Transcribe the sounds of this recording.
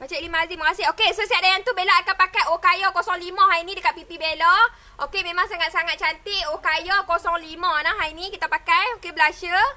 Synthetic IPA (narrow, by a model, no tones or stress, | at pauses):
mat͡ʃaʔilimãaziməŋaseɦokesosiat̪̚dajant̪ubelɔakapakajokajɔkosɔŋlimãɦajnĩdəkat̪̚pipibelɔ | ʔokemẽmaŋsaŋat̪̚saŋat̪̚t͡ʃant̪ɪʔokajɔkosɔŋlimãnaɦajnikit̪apakajokebəlaʃə